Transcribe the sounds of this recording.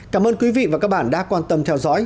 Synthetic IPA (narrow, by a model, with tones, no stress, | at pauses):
kaː˧˩mʔəː˧nkwi˨˦vḭ˧˨vaː˨˩kaː˦˥k̚ɓaː˧˩nɗa̰ː˧˥kwaː˧nt̪ə˧mt̪ʰɛ˧wzɔ̰˧˥j